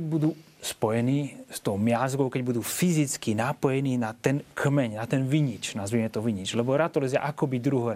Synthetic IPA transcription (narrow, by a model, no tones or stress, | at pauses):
bud̪uː | spɔjɛniːst̪ɔʊmɪazɡɔʊkɛɟbud̪uːfizit͡skinapɔjɛniːnat̪ɛnkʰmɛɲnat̪ɛnʋiɲit͡ʃnazʋimɛt̪ɔʋiɲit͡ʃlɛbɔɾat̪ɔlɛzɪa̰ʔakɔbid̪ɾuɦɔɾ